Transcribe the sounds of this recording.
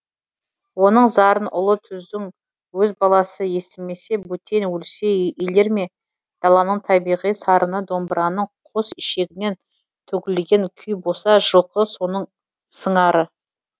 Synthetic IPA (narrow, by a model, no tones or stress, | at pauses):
wo̞nəɴzɑɾənʔʊlˠət̪ʰʏzd̪ɪŋ | wɵzbɑlˠɑsəje̞st̪ɪme̞se̞but̪ʰe̞nwɵlse̞ijle̞ɾme̞ | d̪̥ɑlˠɑnəɴt̪ʰɑbijʁijsɑɾʔənəd̪o̞mbɾɑnəɴqʰo̞sɪʃe̞ɡʲɪne̞n | t̪ʰɵkʲɪlɡʲe̞ŋkʲʰʏjbosɑʒəlˠqəso̞nəɴ | səɴɑɾə